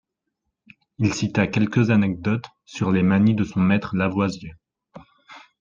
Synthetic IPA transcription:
ilsit̪akʲɛlkʲəzanɛk̚d̪ɔt̪ | syʁlemanid̪əsɔ̃mɛt̪χəlavwazjø

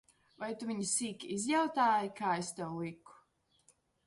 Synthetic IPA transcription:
vajt̪uviɲisiːkʲizjawt̪aːjikaːest̪ɛwlˠiku̥

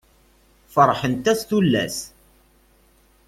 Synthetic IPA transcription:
fəɾˤħənt̪æθθulːæ̰s

